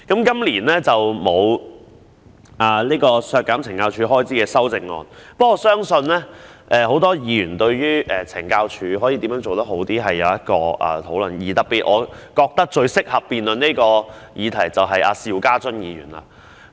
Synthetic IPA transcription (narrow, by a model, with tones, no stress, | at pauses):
kɐ˨˥mkɐ˥mliː˨˩nlɛː˥t͡sɐ˨wmo˨˧w | ʔaː˨˩liː˥kɔː˧sœː˧t̚kːaː˨˥mt͡sʰɪ˨˩ŋkaː˧wt͡ʃʰyː˨˧ɦɔː˥jt͡siː˨˥kɛː˧sɐ˥wt͡sɪ˨ŋːɔ̰ː˧npɐ˥kɔː˧sœː˥ŋsɵ˧nlɛ˥ʔɛː˨˧ho˨˥wt̪ɔː˥jiː˨˧ɥyː˨˩nt̪ɵ˧ɥjyː˥ʔɛː˨t͡sʰɪ˨˩ŋkaː˧wt͡ʃʰyː˨˧ɦɔː˨˥jiː˨˧t̪iː˨˥mjœː˨˥nt͡ʃo˨wt̪ɐ˥hɦo˨˧˥wt̪iː˥ɦɐ˨jːɐ̰˨˧wjɐ˥t̚kɔː˧ʔɐ̰ː˨t̪ʰo˨˥wlɵ̰˨˩njiː˨˩t̪ɐ˨k̚piː˧t̚ʔɔː˨˧kɔː˧k̚t̪ɐ˥k̚t͡ʃɵ˧ɥsɪ˥k̚hɐ˨pːiː˨nlɵ˨niː˥kɔː˧jʔiː˨˧t̪ʰɐ˨˩jt͡sɐ˨wɦɐ˨ja̰ː˧siː˨wkaː˥t͡sɵ˥njiː˨˧jy̰ː˨˩nla̰˨